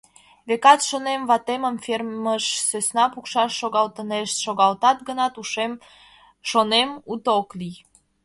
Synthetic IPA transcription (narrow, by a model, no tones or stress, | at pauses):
βekɑt̪ʃonemvɑt̪eməmferməʃsøsnɑpukʃɑʃːoɣɑlt̪əneʃʃoɣɑlt̪ɑt̪̚ɡənɑt̪uʃem | ʃonemut̪oklij